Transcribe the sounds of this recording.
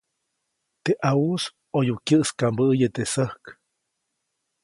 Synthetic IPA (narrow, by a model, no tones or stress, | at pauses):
t̪eʔaus | ojukʲjəʔskambəːjət̪esəhk